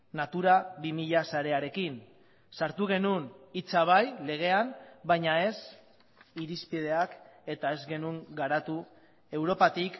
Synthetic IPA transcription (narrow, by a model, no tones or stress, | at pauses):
nat̪uɾaβimiʎasaɾe̞aɾe̞kin | saɾt̪uɣ̞e̞nunit͡saβ̞ajle̞ɣ̞e̞ambajɲae̞s | iɾispið̞e̞ake̞t̪ae̞zɣe̞nuŋɡaɾat̪u | e̞wɾo̞pat̪ik